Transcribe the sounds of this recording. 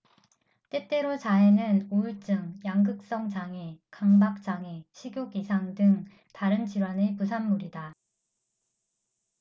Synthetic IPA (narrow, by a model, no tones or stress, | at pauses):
t͈e̞t͈e̞ɾot͡ɕaɦe̞nɯnuuɭt͡ɕ͈ɯŋjaŋɡɯk̚s͈ʌŋt͡ɕaŋekaŋbak̚t͡ɕ͈aŋeɕʰiɡjoɡisʰaŋdɯŋ | taɾɯnt͡ɕiɾwanepusʰamːuɾida